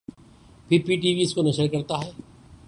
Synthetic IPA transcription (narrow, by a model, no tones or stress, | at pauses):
pipiʈ̬iːʋiɪskonɐʃəɾkɐɾt̪aɦɛː